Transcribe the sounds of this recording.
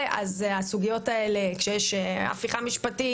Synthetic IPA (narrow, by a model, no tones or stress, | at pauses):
ʔa̰zasuɡijo̞tae̞le̞kʃejeʃea̰fiχamiʃpati